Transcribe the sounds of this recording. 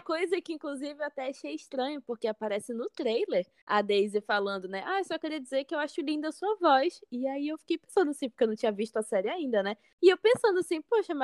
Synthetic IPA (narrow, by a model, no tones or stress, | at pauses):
ɐkojzɐkɪĩŋkluzivɪewat̪ɛaʃejiʃt̪ɾɐ̃ɲʊpoɾkeapaɾɛsɪnʊt̪ɾejleɾ | a̰d̪ejzɪfalɐ̃nd̪ʊnɛʔasɔkɪɾiɐd͡ʒizekɪewaʃʊlĩnd̪ɐsuɐvɔjsɪaiewfi̥kejpẽsɐ̃nd̪ʊasĩpʊo̥kewnɐ̃w̃t͡ʃĩɲ̃ɐviʃt̪ʊasɛɾɪaĩnd̪ɐnɛ | ɪewpẽsɐ̃nd̪ʊasĩpoʃɐma